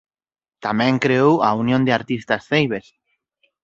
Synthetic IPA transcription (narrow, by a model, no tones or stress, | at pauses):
t̪amɛ̃ŋkɾeowaunjõnd̪eaɾt̪ist̪asθejβ̞es